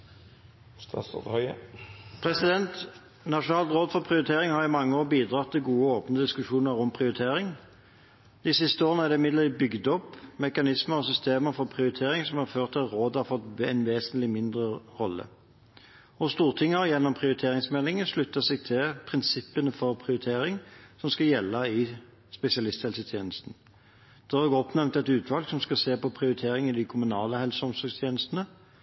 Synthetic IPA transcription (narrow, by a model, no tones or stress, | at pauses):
st̪ɑ̰sɑ̰d̪hœʏ | pʰʁɛsɪd̪ɛnt̪ | nɑʂʊnɑːlt̪ʁoːd̪fɔʁpʰʁɪʊɾɪt̪ʰeːʁɪŋhɑʁɪmɑŋːəoːʁbiːd̪ʁɑt̪ʰːɪlɡuːəoːpnəd̪ɪskʉʂuːnəʁɔmpʰʁɪʊɾɪt̪ʰeːʁɪŋ | d̪̥ɪsɪst̪əoːʁənəæd̪ɛɪmɪd̪lət̪iːbʏɡd̪ɔpːmɛkɑnɪsməʁɔsʏst̪eːməfɔʁpʰʁɪʊɾɪt̪ʰeːʁɪŋsɔmhɑʁføːʁt̪ʰːɪlʁoːd̪hɑfɔt̪ɛɪnʋeːsənt̪lɪmɪnd̪ʁəʁɔlːə̰ | ɔst̪uːʁt̪ʰɪŋːəʁjɛnːɔmpʰʁɪʊɾɪt̪ʰeːʁɪŋsmɛlːɪŋənʂlʉt̪ːəsɛɡ̚t̪ʰɪlpʰʁɪnsɪpːənəfɔʁpʰʁɪʊɾɪt̪ʰeːɾɪŋsɔmskɑjɛlːɑɪ | spɛsɪɑlɪst̪hɛlsət̪ʰjeːnəst̪n̩ | d̪̥ɛæʁɔɡɔpnɛmnt̪ɛt̪ʉːt̪ʰʋɑlɡsɔmskɑseːpɔpʰʁɪʊɾɪt̪ʰeːʁɪŋɪd̪ɪkʰʊmʉnɑːləhɛlsəɔmsɔɡst̪ʰjeːnəst̪ənə